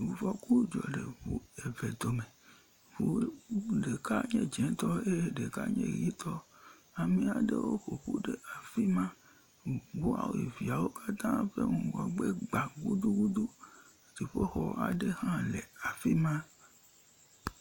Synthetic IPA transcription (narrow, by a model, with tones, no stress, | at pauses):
wu˨fɔ˦ku˦d͡ʒɔ̰˨ɖe˨ɸu˨e˨ve˨d̪o˨me˨ | vu˨ɖe˨ka˦ɲẽ˦d͡ʒɛ̃˨t̪ɔ˦e˦ɖe˨ka̰˦ɲḛ̃˦ji˦t̪ʰɔ˦ | a˨mĩ˨a˨ɖḛ˦wo̰˦xo˨ɸu˦ɖe˦a˨fi˦mã˦ | ɡ͡bu˦a̰˨wo˨ḭ˨vi˨a˨wo˦ka˦t̪ã˦ɸḛ˦ŋũ˨ɡɔ˨ɡ͡be˦ɡ͡ba˨ɡu˦d̪u˦ɡu˦d̪u˦˨ | ti˨ɸo˦xɔ˨˦a̰˨ɖe˦hã˦le˨a˨fi˦mã˦